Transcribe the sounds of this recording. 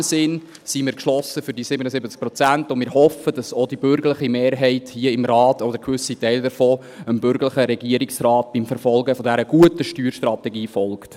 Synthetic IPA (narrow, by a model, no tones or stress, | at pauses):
sɪn | simɪːɾkʃlɔsəfʏɾdisɪbənəsɪbət͡sk̚pɾɔt͡sæntʊnmɪːɾhɔfəd̥ɑsod̥ibʏɾɡəɾləχimeːɾɦɛɪthiəɪmɾɑːtɔd̪əɾkʋʏsitɛɪldəɾfɔː | əmbʏɾɡələχəɾɛɡiəɾɪksɾɑːt̚b̥imfɛɾfɔlˠɡəfodæɾəɡ̥uətəʃtyːɾʃtɾɑtɛɡiːfɔlˠkt